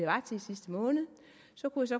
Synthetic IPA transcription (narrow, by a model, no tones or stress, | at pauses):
eʋɑ̈t͡sʰe̝sisd̥əmɔ̽ːnð̩ˠ | sɒ̽kʰujas̬ɒ̽